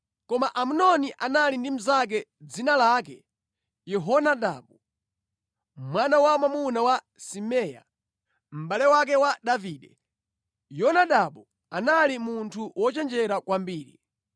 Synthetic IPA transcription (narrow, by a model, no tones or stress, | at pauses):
kɔmaʔamunɔniʔanalindim̩zak̬ɛd͡zinalakɛ | jɛɦɔnaɗaɓu | mwanawamamunawa | simɛja̰ | m̩ɓalɛwak̬ɛwaɗaviːɗɛ | jɔnaɗaɓu | analimuntʰuwʔɔt͡ʃɛnd͡ʒɛɾakwambiːɾḭ